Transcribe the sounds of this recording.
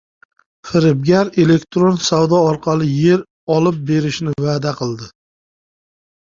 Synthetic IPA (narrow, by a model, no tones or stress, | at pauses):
fɪɾɪb̚ɡʲaɾe̞le̞kt̪ɾonsawd̪ɒɒɾqʰɑlˠɪje̞ɾ | ɒlˠɪp̚be̞ɾɪʃnɪvaːd̪aqʰɨlˠd̪ɪ